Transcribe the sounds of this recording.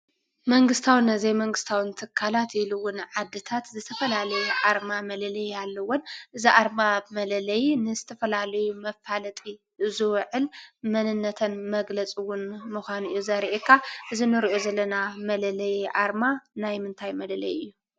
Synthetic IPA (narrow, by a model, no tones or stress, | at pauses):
mɐŋɡɨst̪ʰawɨnɐzejmɐŋɡɨst̪ʰawɨnt̪ʰɨkʰːalat̪ɪluwʊnʕad̪ːɨt̪ʰat̪zɨt̪ʰɐfɐlalɐjuʕaɾmamɐlɐlɐjalːɐwonʔɨziʔaɾmamɐlɐlɐjnɨzɨt̪ʰɐfɐlalɐjumɐfalɐt̪ʼi | ɨzɨwʕɨlmɐnɨnːɐt̪ʰɐnmɐɡlɐt͡sʼɨwʊnmɨxʷanɨjːuzɐɾʔekʰːaʔɨzinɨɾiʔozɐlːɐnamɐlɐlɐjʕaɾmanajmɨnt̪ʰajmɐlɐlɐ̰jɨjːu